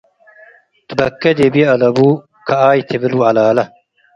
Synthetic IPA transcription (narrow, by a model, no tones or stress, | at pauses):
t̪bɐkːɐd̪ebijɐlɐbuː | kʰɐaːjt̪ʰebiluːɐlaːlɐ